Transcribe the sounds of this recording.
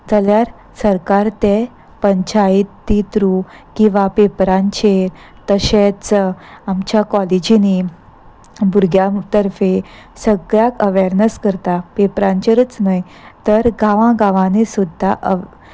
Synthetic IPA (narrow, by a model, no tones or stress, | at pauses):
d͡zəljaɾ | səɾkaɾt̪e | pəɲt͡ɕait̪ːit̪ɾu | kĩw̃ʋapepɾãɲt͡ɕeɾ | t̪əɕet͡samt͡ɕjakɔled͡ʑini | buɾɡjat̪əɾfe | səɡɾjakəʋeɾnəskəɾt̪apepɾãɲt͡ɕeɾət͡snaj | t̪əɾɡãʋãɡãʋãnesud̪ʱːaʔə